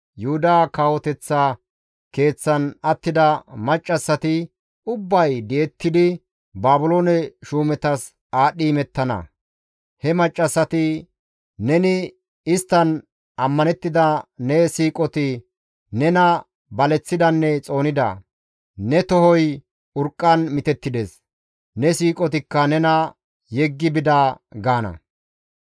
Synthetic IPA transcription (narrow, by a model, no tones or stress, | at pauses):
jʊhʊd̪aːkaːwɔt̪ɛt͡sːa | ke̞ːt͡sːɐnɐt̪ːɪd̪ɐmɐt͡ʃʼːɐsːɐt̪ɪ | ʊbːɐjd̪ɛɛt̪ːɪd̪ɪ | baːbʊloːnɛʃuːmɛt̪ɐs | aːɗiːmɛt̪ːɐnɐ̰ | hɛmɐt͡ʃʼːɐsːɐt̪ɪ | nɛnɪ | ɪst̪ːɐn | ɐmːɐnɛt̪ːɪd̪ɐnɛsiːkʼɔt̪ɪ | nɛnɐ | bɐlɛt͡sːɪd̪ɐnːɛt͡sʼo̞ːnɪd̪ɐ̰ | nɛt̪ɔɦɔj | ʊɾkʼːɐnmɪt̪ɛt̪ːɪd̪eːs | nɛsiːkʼɔt̪ɪkːɐnɛnɐ | jɛɡːɪbɪd̪ɐɡaːnɐ̰